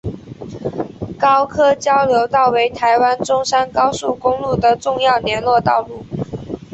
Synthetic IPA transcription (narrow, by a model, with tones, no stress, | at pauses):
kɑ˥ʊkʰɤ˥t͡ɕjɑ˥ʊljo˧˥ʊt̪ɑ˥˩ʊwe˧˥ɪt̪ʰa˧˥ɪwa˥nʈ͡ʂʊ˥ŋʂa˥nkɑ˥ʊsu˥˩kʊ˥ŋlu˥˩d̪ə˨ʈ͡ʂʊ˥˧ŋjɑ˥˩ʊnjɛ˧˥nlwɔ˥˧t̪ɑ˥˧ʊlu˥˩